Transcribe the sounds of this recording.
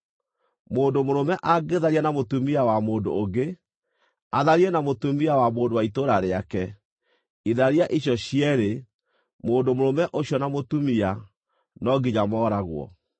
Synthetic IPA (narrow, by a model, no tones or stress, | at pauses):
moːndomoɾomɛʔaɡeðaɾianamotumiawamoːndo̰ːɡe | aðaɾiɛnamotumiawamoːndowaitoɾaɾeakɛ | iðaɾiaʔiɕjɔɕiɛɾe | moːndomoɾomɛʔoɕjɔnamotumia | nɔɡiɲamɔːɾaɣwɔ̰